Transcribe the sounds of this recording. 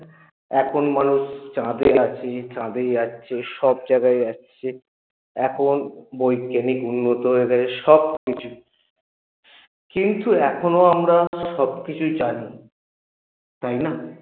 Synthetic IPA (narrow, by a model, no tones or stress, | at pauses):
ɛkʰonmanuʃt͡ɕãd̪ejat͡ɕʰet͡ɕãd̪ejaɕʰeʃɔb̚d͡ʑaɡaeat͡ɕʰe | ɛkʰonbojkanikunːot̪oɦoeɡɛt͡ɕʰeʃɔb̚kit͡ɕʰu | kint̪uɛkʰonoamɾaʃɔb̚kit͡ɕʰujt͡ɕani | t̪ajna